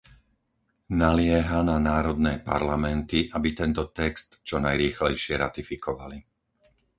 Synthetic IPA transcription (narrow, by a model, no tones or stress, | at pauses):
nalɪɛɦananaːɾɔd̪nɛːpa̰ɾlamɛnt̪iʔabit̪ɛnt̪ɔt̪ɛkst̪t͡ʃɔnajɾiːxlɛjʃɪɛɾa̰t̪ifikɔʋali